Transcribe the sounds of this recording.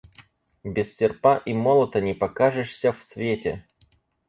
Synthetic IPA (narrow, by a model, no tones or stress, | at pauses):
bʲɪsʲsʲɪrpaʔimolˠət̪ənʲɪpɐkaʐɨʂsʲəfsvʲetʲɪ